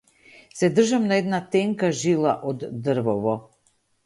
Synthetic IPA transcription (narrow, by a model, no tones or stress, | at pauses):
sɛd̪r̩ʒamnaɛd̪nat̪ɛŋkaʒilˠaʔɔd̪ːr̩vɔvɔ